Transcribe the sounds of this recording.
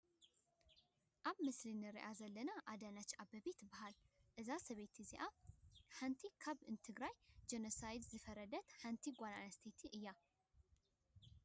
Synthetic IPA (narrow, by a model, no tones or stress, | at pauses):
ʔaβmɨslinɨɾḭʔazɐlːənaʔad̪anat͡ʃːabəβe̞t̪bahalʔɨzasɐβe̞t̪ʰiziʔahant̪ʰikʰaβɨnt̪ʰɨɡɾajd͡ʒenosajd̪zɨfəɾəd̪ət̪hant̪ʰiɡʷana̰nɐst̪ʰet̪ʰiʔɨjːa